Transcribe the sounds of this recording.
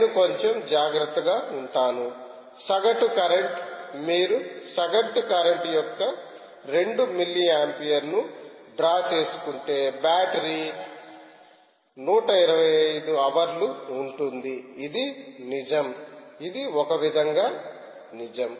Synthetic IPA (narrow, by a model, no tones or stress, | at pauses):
nuko̞ɲt͡ʃemd͡ʒaːɡɾɐt̪ːɐɡaːuɳʈaːnu | sɐɡɐʈukɐɾeɳʈmiːɾusɐɡɐʈukɐɾɐɳʈjɔkːɐ | ɾe̞ɳɖumilːiaːmpijɐɾnuɖɾaːt͡ʃe̞ːsu̥kuɳʈe̞ːbaːʈɐɾi | nuːʈɐiɾɐʋɐjɐjd̪uɐʋɐɾluːɳʈund̪iːd̪inid͡ʒɐmid̪iɔkɐʋid̪ʱɐŋɡaː | nid͡ʒɐm